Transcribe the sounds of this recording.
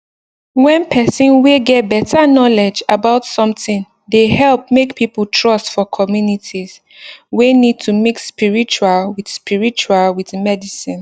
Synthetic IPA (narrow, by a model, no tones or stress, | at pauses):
wɛ̃npʰɛsĩnweɡɛt̚bɛtʰanɔlɛd͡ʒabaʊtsɔ̃mθĩn | dehɛlp̚mekpʰipəltʰɹɔstfɔkʰɔmjunitʰiz̥ | wenid̚tʰumikspiɹit͡ʃualwiθspiɹit͡ʃualwiθmɛdisĩn